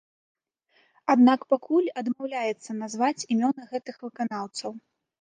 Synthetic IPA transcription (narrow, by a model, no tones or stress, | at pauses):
ad̪nakpakʰulʲɐd̪mawlʲajɛt̪sːɐnazvat͡sʲimʲɔnɨɣɛt̪ɨxvɨkanawt̪sɐw